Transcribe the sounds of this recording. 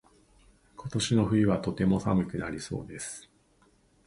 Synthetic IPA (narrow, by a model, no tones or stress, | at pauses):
kʰo̞t̪o̞ɕino̞ɸɯ̟iβat̪o̞t̪e̞mo̞sa̰mɯ̟kɯ̟naɾʲiso̞̰ːd̪e̞sɨ̥